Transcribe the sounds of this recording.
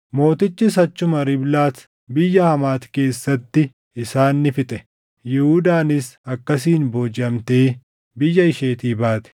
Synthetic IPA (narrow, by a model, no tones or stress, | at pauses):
mo̞ːt̪ɪt͡ʃːɪs̬ɐt͡ʃːʊmɐɾɪblaːs | bɪjːɐhɐmaːt̪ke̞ːsːɐt̪ːɪ | ɪsaːnːɪfɪt̪ʼɛ | jɛhʊd̪aːnɪsɐkːɐs̬iːnboːd͡ʒɐmt̪eː | bɪjːɐɪʃe̞ːt̪iːbaːt̪ɛ̥